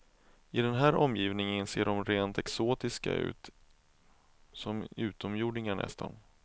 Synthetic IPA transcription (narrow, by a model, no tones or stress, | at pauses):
ɪd̪ɛnɦæːɾʔɔmːjiːvnɪŋənseːɖɔmɾeːnt̪ɛksoːt̪ɪska̰ʉ̟̰ːt̪ | sɔmʉ̟ːt̪ɔmjuːɖɳɪŋaɳɛ̰st̪ʰa̰n